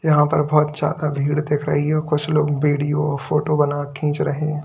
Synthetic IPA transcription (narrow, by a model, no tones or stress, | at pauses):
jɐɦãpɐɾbɔːt̪d͡ʒa̰ːd̪abʱiːɽd̪eːkʰɾa̰ɦiɛɔːkʊt͡ʃʰloːɡbiːɖijoɔfoːʈobɐnakʰĩːt͡ʃɾɐɦẽ